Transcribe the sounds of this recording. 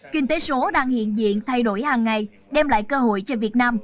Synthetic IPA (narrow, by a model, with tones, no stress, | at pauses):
kï˧ŋ̟t̪e˨˦so˨˦ɗaː˧ŋhḭ˧˨ənzḭ˧˨ənt̪ʰa˧jɗo˧˩jhaː˨˩ŋːa˨˩j | ɗɛ˧mla̰ː˧˨jkəː˧ho̰˧˨jt͡ɕɔ˧vi˨˩ət̚naː˧m